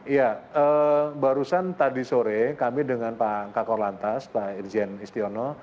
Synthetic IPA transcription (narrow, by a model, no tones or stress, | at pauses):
ijaəbaɾusant̪adisoɾekamidəŋanpakakɔrlant̪aspaird͡ʒɛnist̪iɔnɔ